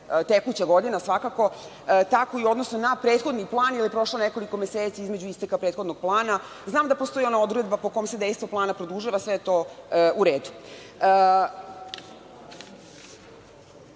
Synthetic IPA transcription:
t̪ekut͡ɕaɡo̞d̪inasʋakako̞ | t̪ako̞io̞d̪no̞sno̞napɾe̞ːt̪xod̪niplˠaːnilijepɾo̞ʃlˠoneko̞liko̞meseːt̪siizme̞d͡ʑuist̪ekapɾet̪xod̪noɡ̥̚plˠaːna | znaːmd̪apost̪o̞jio̞nao̞d̪uɾe̞d̪bapoko̞jomse̞d̪e̞jst̪ʋoplˠaːnapɾod̪uʒiʋasʋe̞jet̪o̞ːuɾe̞ːd̪u | ə

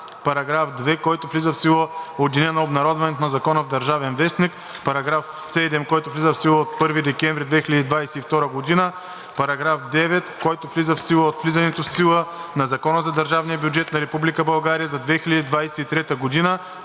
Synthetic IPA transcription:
pɐɾɐɡɾafd̪vɛkɔjt̪ʊflizəfsilˠəod̪inɛnɐobnɐɾɔd̪vɐnɛt̪onɐzɐkɔnəvd̪ɐɾʒavɛnvɛsnik | pɐɾɐɡɾafsɛd̪ɛmkɔjt̪ʊvlʲizəfsilˠəot̪̚pɤɾvid̪ɛkɛ̃nvɾid̪vɛxilʲəd̪id̪vajsɛift̪ɔɾəɡod̪inə | pɐɾɐɡɾafd̪ɛvɛt̪kɔjt̪oflizəfsilˠəot̪flizɐnɛt̪ofsilˠənɐzɐkɔnəzɐd̪ɐɾʒavnijəbʲjud͡ʒɛt̪nɐɾɛpublikəbɐlˠɡaɾijəzɐd̪vɛxilʲɐd̪id̪vajsɛit̪ɾɛt̪əɡod̪inə

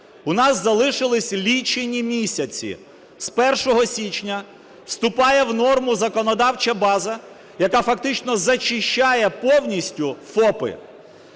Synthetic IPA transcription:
ʊnɑsːɐlˠɪʃɪlˠɪsʲlʲit͡ʃenʲimʲisʲɐt͡sʲḭ | spɛrʃɔɦɔsʲit͡ʃnʲɐ | wst̪ʊpɑjɛwnɔrmʊzɐkɔnɔd̪ɑwt͡ʃɐbɑzɐ | jɐkafɐkt̪ɪt͡ʃnɔzɐt͡ʃɪʃt͡ʃːajɛpɔwnʲisʲtʲʊfɔpɪ̰

